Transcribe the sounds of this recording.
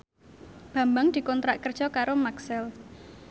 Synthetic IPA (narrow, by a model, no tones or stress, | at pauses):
b̥ä̤mbaŋd̪̥i̤kɔnt̪ɾaʔkər̥ʒ̥ɔkaɾomaksɛl